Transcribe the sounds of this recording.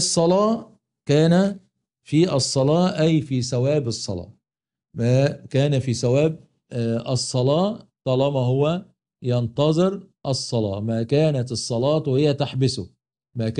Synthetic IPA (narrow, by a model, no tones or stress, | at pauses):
sˤːɑlɑː | kæːnæ | fiːʔɑsˤːɑlɑːʔæjfiːsæwæːbɑsˤːɑ̰lɑ̰ː | mækæːnæfiːsæwæːb̚ | ɑsˤːɑlɑːt̪ˤɑːlɑmæhʊwæ | jɑnt̪ɑzˤɨɾʔɑsˤːɑlɑ̰ːmæːkæːnæt̪ɨsˤːɑlɑːt̪whɪjːæt̪aħbɪsʊ | mæːk